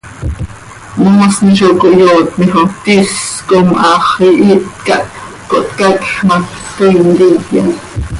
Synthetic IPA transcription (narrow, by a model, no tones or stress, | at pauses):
moːsniʃ̬okoʔjoːt̪miχot̪iskomʔɑːχiʔiʔt̪kɑʔ | koʔt̪kɑkχmɑk | t̪oind̪ikjɑ̰n